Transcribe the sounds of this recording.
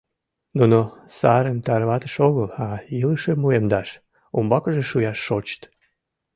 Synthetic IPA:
nunosɑɾənt̪ɑɾβɑt̪ə̥ʃoɣəlɑiləʃemuemd̪ɑʃ | umbɑkəʒeʃujɑʃːot͡ɕt̪

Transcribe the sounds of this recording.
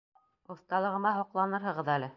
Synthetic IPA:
ŏθt̪ɑlˠɤ̆ʁɤ̆mɑɦoqlˠɑnɤɾɦɤ̆ʁɤðælɘ

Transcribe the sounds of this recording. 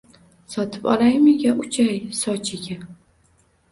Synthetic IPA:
sɒt̪ʰɪ̥pɒ̰lˠajmɪɡʲaʔʊt͡ʃʰajsɒt͡ʃʰɪɡʲa

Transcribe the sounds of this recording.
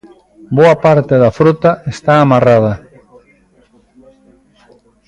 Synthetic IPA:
boɐpaɾt̪eðɐfɾut̪ɐest̪aːmarað̞ɐ

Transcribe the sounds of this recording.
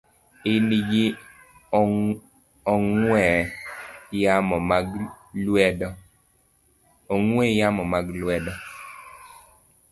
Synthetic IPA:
ɪniɡi | ɔŋwɛ | jamɔmɡ | lwɛdɔ | ɔŋwɛjamɔmaɡlwɛdɔ

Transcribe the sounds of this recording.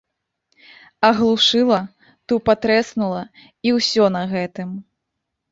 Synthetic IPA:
ɐɣlˠuʂɨlˠɐ | t̪upat̪ɾɛsnulˠɐ | iwsʲɔnɐɣɛt̪ɨm

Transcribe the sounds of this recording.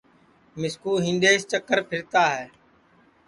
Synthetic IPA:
mɪskuːɦĩnd̪eːst͡ʃəkːəɾpʰɪɾt̪aːɦɛː

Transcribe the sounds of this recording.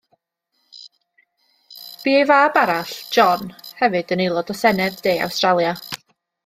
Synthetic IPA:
b̥iːejvaːbaɾaɬd͡ʒ̥ɔnhɛvɨd̥ənelˠɔdɔsɛnɛddeːa̰wstralˠja

